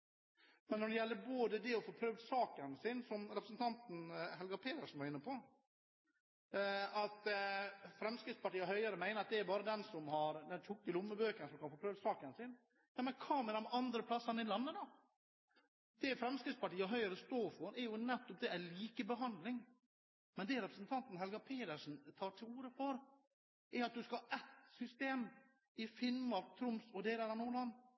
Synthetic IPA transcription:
mɛnːɔɖɛjɛlːəɾboːd̪əd̪ɛɔfoːpʰɾøːʋsɑːkənsɪnsɔmɾɛpɾəsnt̪ʰɑnt̪n̩hɛlɡɑpʰeːt̪əɾʂɔnʋɑɾɪnːəpʰɔ | ɑt̪ | fɾɛmskɾɪtspɑʈiːəɦœʏəɾəmæɪnəɾɑt̪̚d̪ɛæɾbɑːɾəd̪ɛnsɔmhɑɾd̪ɛnt̪ʰʊkːəlʊmːəbøːkəɾnsɔmkʰɑnfoːpɾøːʋsɑːkənsɪn | nɑmɛkʰɑːməd̪ɛmʔɑnd̪ɾəpʰlɑsːənɪlɑnːəd̪ɑ | d̪̥ɛfɾɛmskɾɪft̪spɑʈiːəɦœʏəɾəst̪oːfɔɾɛɾjʊnɛt̪ːɔp̚d̪ɛæliːkəbəɦɑnd̪lɪŋ | mɛnd̪ɛɾɛpɾəsənt̪ʰɑnt̪n̩ɦɛlɡɑpʰeːd̪əʂn̩t̪ʰɑːʈʰɪluːɾəfɔɾ | ʔɛɾɑt̪̚d̪ʉskɑhɑʔɛt̪sʏst̪eːm | ɪfɪnːmɑɾk̚t̪ʰɾʊmsɔd̪ɛːd̪æɾɑnuːənɑːn

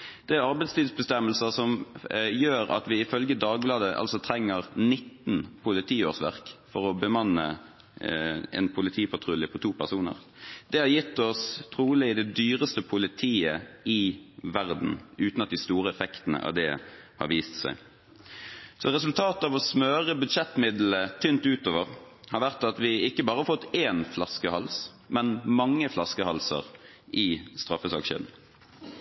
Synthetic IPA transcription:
d̪̥ɛæɾɑɾbɛɪt̪st̪iːd̪sbəst̪ɛmːəlsəsɔmjøːɾɑ̰t̪ʋɪɪfœlɡəd̪ɑːɡ̚blɑːd̪əʔɑ̰lsɔt̪ʰɾɛŋːəʁnɪt̪ːn̩pʰʊlɪt̪ʰiːoːʁsʋæ̰ʁkfɔʁɔbəmɑnːə̰ | ɛ̰npʰʊlɪt̪ʰiːpʰɑt̪ʰʁʊljəpʰɔt̪ʰuːpʰæʁsuːnə̰ʁ | d̪̥ɛhɑɾjɪt̪ːɔst̪ʰʁuːlɪɪd̪ɛd̪yːʁəst̪əpʰʊlɪt̪ʰiːəɪʋæʁd̪n̩ʔʉːt̪nɑt̪̚d̪ɪst̪uːʁəɛfɛkt̪ənə̰ʔɑ̰ʋd̪ɛhɑ̰ɾʋiːst̪sæ̰ɪ | sɔʁɛsʉlt̪ʰɑːt̪əɑːʋɔsmøːʁəbʉd̪ʃɛt̪ːmɪd̪l̩ət̪ʰʏnt̪ʉːt̪oːʋəʁhɑɾʋæʁt̪ɑt̪ʋɪɪkːəbɑːɾəhɑɾfɔt̪ːeːnflɑskəhɑls | mɛnmɑŋːəflɑskəhɑlsə̰ʁ | ʔɪst̪ʁɑfːəsɑ̰ːkʃḛːd̪n̩

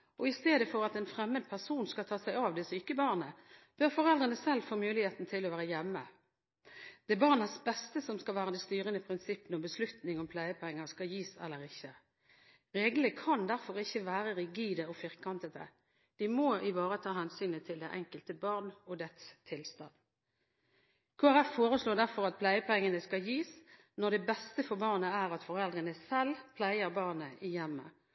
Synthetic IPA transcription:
ʔɔɪst̪eːd̪əfɔʁɑt̪ɛnfɾɛmːəd̪̚pʰæʁsuːnskɑt̪ʰɑːsæɪɑːʋd̪ɛsyːkəbɑʁnəb̥œʁfɔʁɛld̪ʁənəsɛlːfoːmʉːlɪheːt̪n̩t̪ʰɪlːɔʋæːʁəjɛmːə | d̪̥ɛbɑʁnəsbɛst̪əsɔmskɑlʋæːʁəd̪ɛst̪yːʁənəpʰʁɪnsɪpːənɔbəslʉt̪nɪŋɔmpʰlæːjəpʰɔɛŋːəʁskɑjiːsɛ̰lːəʁɪçːə | ʁeːɡləkʰɑnd̪æʁfɔʁɪçːəʋæːʁəʁɪɡiːd̪əɔfɪʁkɑnt̪əd̪ə̰ | d̪̥ɪmoʔɪʋɑːʁət̪ʰɑːɦɛnsyːnət̪ʰɪld̪æʔɛŋkəlt̪əbɑʁnɔd̪ɛt̪st̪ʰɪlst̪ɑn | kʰoːæʁɛfːoːʁəsloːd̪æʁfɔʁɑt̪̚pʰlæɪəpʰɛŋːənəskɑjiːs | nɔd̪ɛbɛst̪əfɔʁbɑʁnəæːʁɑt̪fɔʁɛld̪ʁənəsɛlpʰlæɪəʁbɑʁnəʔɪjɛmːə̰

